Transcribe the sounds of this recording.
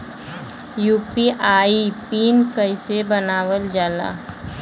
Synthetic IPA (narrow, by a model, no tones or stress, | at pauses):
juːpiʔaːipiːnkəɪsebənaːwəld͡ʒaːla̰ː